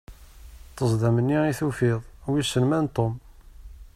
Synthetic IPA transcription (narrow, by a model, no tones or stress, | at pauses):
t̪ːəzˤd̪æmənːiiθufiðˤwisːəlmænt̪ˤom